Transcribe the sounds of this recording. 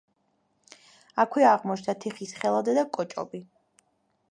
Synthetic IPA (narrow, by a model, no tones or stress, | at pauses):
akʰwɛaʁmɔt͡ʃʰd̪at̪ʰiχisχɛlˠad̪ɛd̪akʼɔt͡ʃʼɔ̰bi